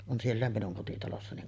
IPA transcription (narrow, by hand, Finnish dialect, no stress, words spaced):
on sielːæˑem minuŋ kotitɑlosːɑ niŋ